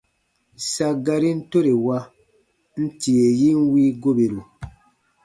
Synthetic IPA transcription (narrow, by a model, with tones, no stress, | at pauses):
sa˦ɡa˧ɾi˦n̩˦to˦ɾe˨wa˧ | n̩˦ti˨e˨ji˦n̩˦wiː˦ɡo˦be˨ɾu˨